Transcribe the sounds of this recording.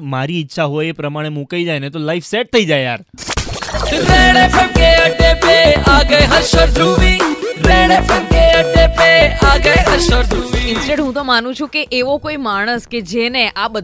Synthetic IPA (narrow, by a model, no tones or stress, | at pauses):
maɾiɪtːʃʰaɦojepɾəmaɽ̃emukaid͡ʒajnet̪olaifʰseʈ̚t̪ʰəid͡ʒajja̰ɾ | ɾeɽepekeəʈepeaɡəjɦəɾʃəɾd̪uʋiɾeɽepekeəʈepeaɡəjɦəɾʃəɾd̪uiɪ̃nsʈeɖɦũt̪omanũt͡ʃʰũkeʔeʋokoimaɽ̃əsked͡ʒeneʔabəd̪